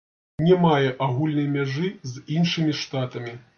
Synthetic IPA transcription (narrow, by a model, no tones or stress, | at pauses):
nʲɛmajɛʔaɣulʲnɐjmʲaʐɨzinʂɨmʲiʂt̪at̪ɐmʲi